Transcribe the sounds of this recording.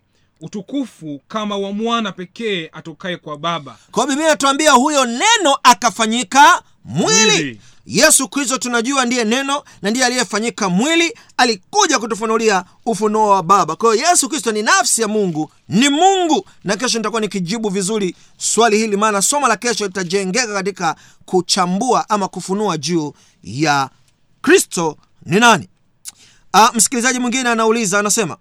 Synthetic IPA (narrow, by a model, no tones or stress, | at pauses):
utukufukamawamwanapɛkɛːatɔkaɛkwaɓaɓa̰kwaɔɓimiatuambiahujɔnɛnɔʔakafaɲika | mwili | jɛsukɾis̬tɔtunaʄuandijɛnɛnɔ | nandijɛalijɛfaɲikamwili | alikuʄak̬utufunulia | ufunɔwaɓaɓakwahijɔjɛsukɾistɔninafsijamuŋɡu | nimuŋɡu | nak̬ɛʃ̬ɔnitakuwanikiʄiɓuvizuɾi | swalihilimaːnasɔmalakɛʃɔlitaʄɛŋɡɛkakat̬ika | kut͡ʃambuaʔamakufunuaʄuː | ja | kɾistɔ | ninani | am̩si̥kilizaʄimwiŋɡinɛanaulizaːnasɛma̰